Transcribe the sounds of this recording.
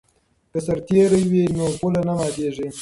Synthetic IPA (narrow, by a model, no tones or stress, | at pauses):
kəsaɾt̪eɾajwenopulanamɑd̪eʐe